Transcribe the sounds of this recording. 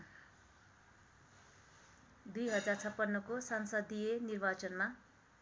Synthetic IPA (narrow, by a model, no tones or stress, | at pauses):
d̪ujɦʌd͡zart͡sʰʌpːʌnːʌkosʌnsʌd̪ijenirbat͡sʌnma